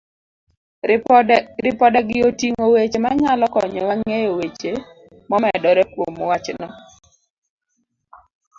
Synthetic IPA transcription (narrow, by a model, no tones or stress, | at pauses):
ɾɪpɔdɛɡɪotiŋowet͡ʃemaɲalɔkɔ̰ɲɔwaŋejowet͡ʃe | mɔmɛdɔɾɛpwomwat͡ʃnɔ